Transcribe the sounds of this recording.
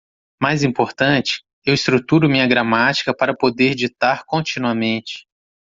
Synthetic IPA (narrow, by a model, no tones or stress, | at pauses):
majzĩpoɾt̪ɐ̃t͡ʃɪ̥ | ewist̪ɾut̪uɾʊmĩɲɐɡɾamat͡ʃi̥kɐpaɾɐpod̪eɾd͡ʒit̪aɾkõt͡ʃĩnuɐmẽnt͡ʃɪ̥